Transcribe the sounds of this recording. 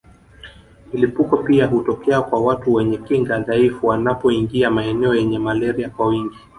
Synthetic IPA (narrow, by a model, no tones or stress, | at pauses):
milipukɔpiaɦutɔkɛakwawatuwɛɲɛkiŋɡaðaifuwanapɔiŋɡiamaɛnɛɔjɛɲɛmalɛɾiakwawiŋɡi